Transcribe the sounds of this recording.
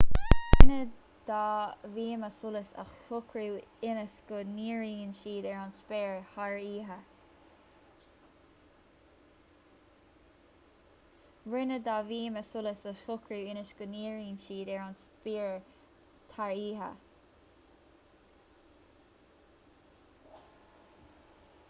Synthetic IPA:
wɪnə | d̪̥ɑːviːməsʊləsə̰xhʊkʰɾuːɪnəsɡʊniːɹiːnʃiːd̪ɛɹanspɛːɹhaɹiːɦə | wɪnəd̪aːviːməsʊləsəʊkʰɹuːɪnəʃɡ̥ʊniːɹiːnʃiːd̪ɛɹanspiːɹ | t̪ʰaɹiːɦə̰

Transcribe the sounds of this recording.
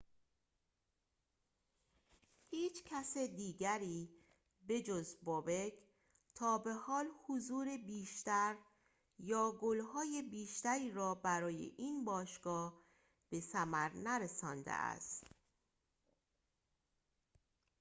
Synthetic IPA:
hiːt͡ʃʰcʰæsed̪iːɡæɾiː | be̞d͡ʒozbobe̞kʰ | t̪ʰɒːbe̞hɒːlhozuːɾebiːʃt̪æɾ | jɒːɡolhɒːje̞biːʃt̪æɾiːɾɒːbæɾɒːjḛʔiːnbɒːʃɡ̥ɒːh | b̥e̞sæmæɾnæɾesɒːnd̪ḛʔæ̰st̪

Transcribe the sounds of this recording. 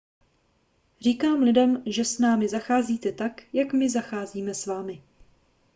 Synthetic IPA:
r̝iːkaːmlɪdɛmʒɛsnaːmɪzaxaːziːt̪ɛt̪akjakmɪzaxaːziːmɛsvaːmɪ

